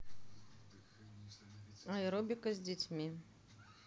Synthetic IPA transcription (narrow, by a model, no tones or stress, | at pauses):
ajɾobʲɪkəzʲdʲɪt͡sʲmʲi